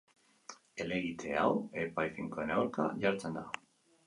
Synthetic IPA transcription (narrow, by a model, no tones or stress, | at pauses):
e̞le̞ɣit̪ʰe̞awe̞pajfiŋkoenawɾka̰ʝaɾt͡send̪a